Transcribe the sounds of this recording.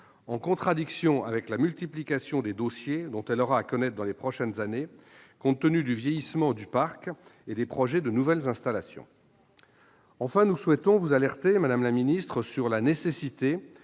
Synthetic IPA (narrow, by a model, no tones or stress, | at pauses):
ɑ̃kɔ̃t̪χad̪iksjɔ̃ʔa̰vɛklamylt̪iplikʲasjɔ̃d̪ed̪osjed̪ɔ̃t̪ɛlɔʁaːkɔnɛt̪χd̪ɑ̃lepχɔʃɛnzane | kɔ̃t̪ːənyd̪yvjejismɑ̃d̪ypaʁked̪epχɔʒɛd̪ənuvɛlzɛ̃st̪alasjɔ̰̃ | ɑ̃fɛ̃nuswɛt̪ɔ̃vuzalɛʁt̪emad̪amlaminist̪χəsyʁlanesesit̪e